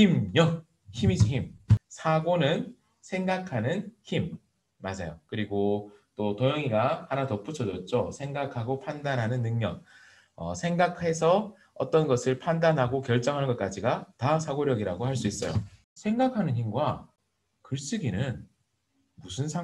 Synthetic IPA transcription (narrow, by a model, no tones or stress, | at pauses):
imjʌ | çimid͡ʑiçimsʰaɡonɯn | sʰe̞ŋɡakʰanɯnçimː | ad͡ʑajokɯɾiɡot͈otʌjʌŋiɡahanatʌp͈ut͡ɕʰʌd͡ʑʌt̚t͡ɕ͈osʰe̞ŋɡakʰaɡopʰandanɦanɯnːɯŋɲʌŋ | ʌ̰sʰe̞ŋɡakʰe̞sʰʌ | ʌt͈ʌnɡʌsʰɯɭpʰandanɦaɡokjʌɭt͡ɕ͈ʌŋɦanɯnɡʌt̚k͈ad͡ʑiɡatasʰaɡoɾjʌɡiɾaɡohaɭs͈uis͈ʌjo̰ | sʰe̞ŋɡakʰanɯnçimɡwa | kɯɭɕ͈iɡinɯn | musʰɯnsʰa